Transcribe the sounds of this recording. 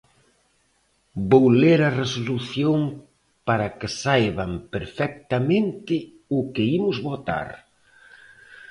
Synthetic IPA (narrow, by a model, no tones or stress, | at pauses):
bowleɾɐresoluθjoŋ | paɾɐkɪsajβampeɾfɛk̚t̪ɐmẽnt̪ɪ | ʊkɪimʊzβot̪a̰ɾ